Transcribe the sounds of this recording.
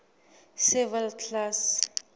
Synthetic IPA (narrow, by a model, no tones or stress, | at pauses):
sɛvɛlkʰlas